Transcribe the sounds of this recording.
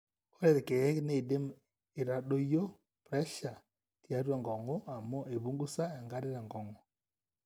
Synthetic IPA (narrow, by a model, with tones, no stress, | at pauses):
ɔ˦ɾɛ˦ðke˨ɛ˦kne˦˨de˦m | ɪ˨ɾa˨ɗo˦jo˦ | pɾɛ˦ʃa˨ | tja˦ɾwa˦˨ŋɡɔ˨ŋɔ˦a˨mɔ˦e˨βu˦ŋɡu˦sa˦ɛ˨ŋɡa˦ɾɪ˦ɾa˨ŋɡɔ˨ŋɔ˨